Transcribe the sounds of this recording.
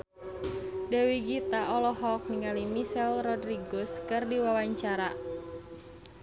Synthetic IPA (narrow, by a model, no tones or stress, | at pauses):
dewiɡit̪aʔɔlɔɦɔk̚niŋalimisɛlrɔdriɡɔskɨrdiwawaɲt͡ʃaɾa